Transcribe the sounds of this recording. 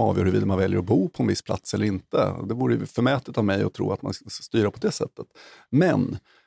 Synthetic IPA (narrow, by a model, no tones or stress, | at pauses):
ɑːvjœːɾhɵɾviːd̪amanvɛljəɾɔbuːpʰɔɛnvɪsːpʰla̰t̪sɛlːəɾɪnt̪ə̰d̪ɛvuːɾəjɵ̰fœmɛːt̪ət̪avmɛjɔ̰t̪ʰɾṵːat̪ma̰nst̪yːɾaɾpʰɔd̪ɛːsɛ̰t̪ʰːət̪mɛnː